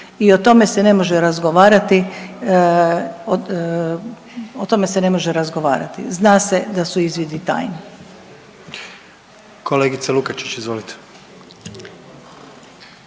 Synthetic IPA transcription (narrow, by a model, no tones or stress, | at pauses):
io̞t̪o̞me̞sene̞mo̞ʒeɾazɡo̞ʋaːɾat̪i | ot̪o̞me̞sene̞mo̞ʒeɾazɡo̞ʋa̰ːɾa̰t̪ḭznaːse̞d̪asuizʋid̪it̪a̰ːjni | kʰoleːɡit̪selukat͡ʃi̥t͡ʃizʋoːlit̪ʰe̥